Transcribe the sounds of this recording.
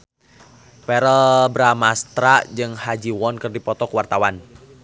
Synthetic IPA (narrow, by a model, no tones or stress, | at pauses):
pɛɾəbɾamast̪ɾad͡ʒɨŋhad͡ʒiwɔnkɨrdipɔt̪ɔkuwart̪awan